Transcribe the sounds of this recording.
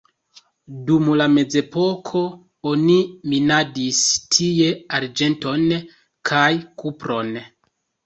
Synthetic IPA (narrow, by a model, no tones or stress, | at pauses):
dumlame̞d͡ze̞po̞kʰo̞ | oniminadistʰije̞aɾd͡ʒe̞nto̞n | kʰajkʰupɾo̞n